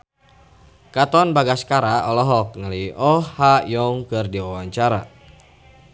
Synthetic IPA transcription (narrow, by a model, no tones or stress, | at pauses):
kat̪ɔnbaɡaskaɾaɔlɔɦɔk̚ŋaliʔɔhːajɔŋkɨrdiwawaɲt͡ʃaɾa